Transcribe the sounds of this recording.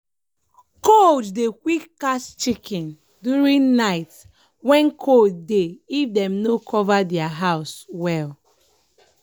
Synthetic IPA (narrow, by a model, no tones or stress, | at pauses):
kod͡ʒdekwikːastt͡ʃikɛ̃n | djuɹĩŋnaɪt | wɛ̃nkʰod͡ʒdeifdɛ̃mnokʰɔvadɛaɦaʊswɛl